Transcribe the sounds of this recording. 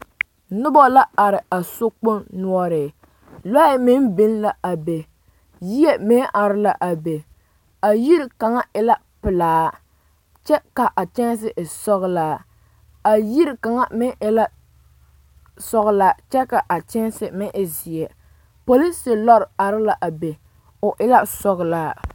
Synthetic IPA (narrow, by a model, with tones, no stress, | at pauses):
nʊ˦bɔ˦la˦a˨ɾɪ˨a˨so˦k͡po˦nnu˦ɔ˦ɾɪ˨ | lɔ˦ɪ˦mɪ˦n˦bɪ˦n˦la˨ʔa˨be˨ | ji˦ɛ˦mɪ˦ʔa˨ɾɪ˦la˨ʔa˨be˨ | a˨ji˦ɾɪ˦ka˨ŋa˦ɪ˦la˦ | pɪ˨laː˨˦ | t͡ʃɛ˦ka˨ʔa˨t͡ʃɛ˦n˦s̬ɪ˦ʔɪ˨sɔ˦ɣɨ˦laː˦ | a˨ji˦ɾɪ˦ka˨ŋa˦mɪ˦nʔɪ˦la˦ | sɔ˦ɣʊ˦la˨t͡ʃɛ˦ka˨ʔa˨t͡ʃɛ˦n˦sɪ˨mɪ˦nʔɪ˨zi˨ɛ˨ | po˨li˦sɪ˨lɔ˦ɾɪ˨a˨ɾɪ˦la˨ʔa˨be˨ | ʊ˨ʔɪ˦la˦sɔ˦ɣʊ˨laː˦